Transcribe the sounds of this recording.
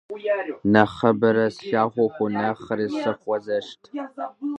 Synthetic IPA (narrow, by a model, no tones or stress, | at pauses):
nɐχɐbɐɾɐsɬaːχʷɔxʷʊnɐχəɾiːsɐχʷɔzɐʃtʰ